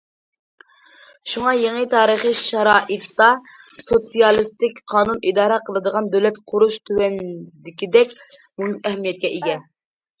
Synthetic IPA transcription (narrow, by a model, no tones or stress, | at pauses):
ʃuŋɑjeŋət̪ʰɑːɾəχəʃɛɾɑːʔɨt̪d̪ɑ | sosijɑlˠɨst̪ɪkʲqʰɑːnunid̪ɑːɾɛqʰəlˠɨd̪əʁɑnd̪øwlɛt̪qʰʊɾuʃt̪ʰywɛnd̪ɪkʲid̪ɛkʲ | munɛɦmijɛt̪̚kʲɛʔeɡʲɛn